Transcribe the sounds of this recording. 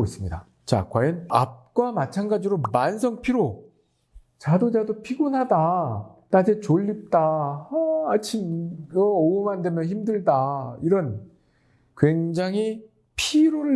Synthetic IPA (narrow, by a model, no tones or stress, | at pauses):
is͈ɯmɲida̰ | t͡ɕa̰kwajʌna̰p̚k͈wamat͡ɕʰanɡad͡ʑiɾomansʰʌŋpʰiɾo | t͡ɕadod͡ʑadopʰiɡunɦadatad͡ʑet͡ɕoʎːip̚t͈ahʌːt͡ɕʰimʌʌumandemjʌnçimdɯɭdaiɾʌn | kwe̞ŋd͡ʑaŋɦi | pʰiɾoɾɯ